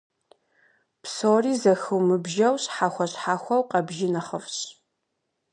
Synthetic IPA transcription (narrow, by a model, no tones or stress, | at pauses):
psoːriːzɐxɨwmɨbʒɐwɕħaːxʷɔɕħaːxʷɐwqɐbʒɪnɐχəfɕ